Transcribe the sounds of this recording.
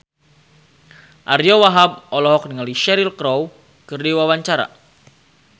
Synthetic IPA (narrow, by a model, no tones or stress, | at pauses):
ʔaɾjɔwaɦab̚ɔlɔɦɔk̚nəŋaliʃɛɾilkɾɔw | kərdiwawaɲt͡ʃaɾa̰